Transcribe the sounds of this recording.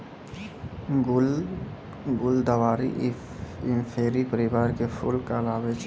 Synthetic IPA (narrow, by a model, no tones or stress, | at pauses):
ɡ | ɡʊld̪əʋaːɾḭ | ɪ̃mpʰeːɾipəɾɪʋaːɾkepʰʊ̰lkalaːbet͡ʃ